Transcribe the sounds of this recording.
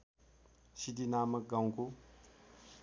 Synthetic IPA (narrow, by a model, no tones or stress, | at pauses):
sidinamɐk̚ɡaw̃ko